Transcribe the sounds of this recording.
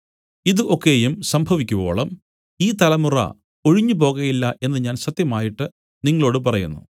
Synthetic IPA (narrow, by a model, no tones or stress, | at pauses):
iðɨʔo̞kːe̞ːjumsɐmbʱɐʋikʲːuʋo̰ːɭɐm | iːt̪ɐlɐmurɐ̰ | o̞ɻiɲːup̬o̞ːɣɐjilːɐʔe̞nːɨɲaːnsɐt̪jɐmaːjiʈːɨ | niŋːɐɭo̞ːɽɨpɐrɐjṵnːṵ